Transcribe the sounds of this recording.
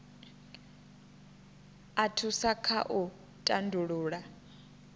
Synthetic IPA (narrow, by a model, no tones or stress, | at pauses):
atʰusakʰa̰ʔu | tʼandʱuɺuːɺa